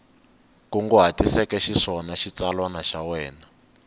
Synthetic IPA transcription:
kuŋɡɔɦatisɛkɛʃiʂɔnaʃit͡salwanaʃawɛːna

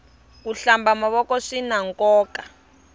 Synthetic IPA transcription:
k̬uɬambamaβɔkɔʂinaŋkʼɔːka

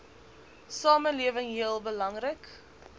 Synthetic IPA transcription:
sɑːməliəvəŋɦiəlˠbəlɐŋrək

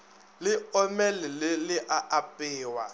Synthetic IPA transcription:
lɪɔmɛlɪlɪlɪʔaʔapʼɪːwa̰

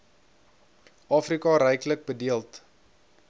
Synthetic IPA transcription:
ʔɑːfrikɑɾɛjklək̚bədiəlˠt

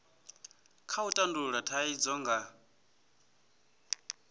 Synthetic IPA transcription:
kʰautʼanduɺatʰaid͡zɔŋɡa

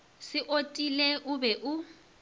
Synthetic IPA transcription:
sɪʔotʼileʔʊbɛʔʊ

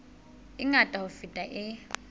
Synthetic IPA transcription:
ɪŋatʼaʊfitʼaʔɪ

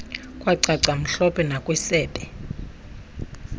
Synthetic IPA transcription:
kʼwaǀaǀam̩ɬɔpʼɛnakʼwɛsɛːtʼɛ

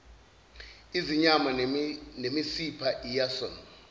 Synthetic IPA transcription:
iziɲamanemisipʰaʔijasɔ̰n

